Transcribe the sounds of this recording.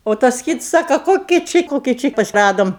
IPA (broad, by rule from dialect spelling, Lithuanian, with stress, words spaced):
oː ˈtɐs ˈkʲɪts ˈsɑːkɐ ˈkoːkʲɪ ˈt͡ʃʲɪ ˈkoːkʲɪ ˈt͡ʃʲɪ ˈrɑːdoːm